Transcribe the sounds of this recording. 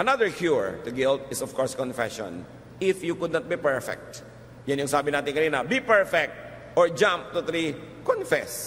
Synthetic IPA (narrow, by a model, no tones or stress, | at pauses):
ʔɐnaðəɹkʰjuɹt̪ʊɡɪlt̪ɪsɔfkɔɹskɔ̃nfɛ̰ʃɔ̰̃n | ɪfjukʊd̪nat̪̚bipɛɹfɛ̰k̚t̪ | janjʊŋsaːbɪnaːt̪ɪŋkɐniːnɐbipɛɹfɛk̚t̪̚ | ʔɔɹd͡ʒãmp̚t̪ʊt̪ɾikɔ̃nfɛs